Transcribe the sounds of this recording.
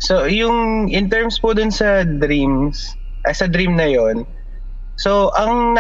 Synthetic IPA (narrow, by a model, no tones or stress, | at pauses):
sojʊŋʔɪnt̪ɛɹmspod̪ʊnsɐd̪ɾims | ʔɐsɐd̪ɾimnɐjon | soʔɐŋn